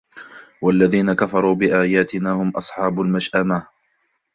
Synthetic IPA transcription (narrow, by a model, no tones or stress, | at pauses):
walːaðiːnakafɑɾˤuːbɪʔaːjaːt̪ɪnaːhʊmʔɑsˤħɑːbʊlmaʃʔama